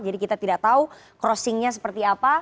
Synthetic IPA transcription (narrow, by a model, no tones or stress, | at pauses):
d͡ʒadikit̪at̪idaʔ̚t̪au | kɾɔsɪŋɲas̬ə̥pərt̪iapa